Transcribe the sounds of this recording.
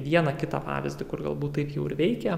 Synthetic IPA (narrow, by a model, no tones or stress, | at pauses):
ʋʲiɛnɐkʲɪt̪ɑ̰pɑ̰ːʋʲɪzʲd̪ʲɪkʊrɡɐ̰lˠbuːt̪t̪ːɐɪpjɛʊɪɾʋʲɛɪkʲɛ